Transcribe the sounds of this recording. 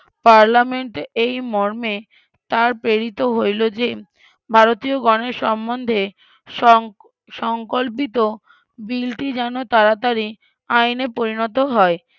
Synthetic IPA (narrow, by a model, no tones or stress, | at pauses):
paɾlameɳʈejmɔɾme | t̪aɾpɾeɾit̪oɦojlod͡ʑe | bʱaɾot̪ioɡɔneɾʃɔmːond̪ʱe | ʃɔŋkolp̬it̪o | bilʈid͡ʑɛnot̪aɾat̪aɾi | ajnepoɾinɔt̪̬oɦɔe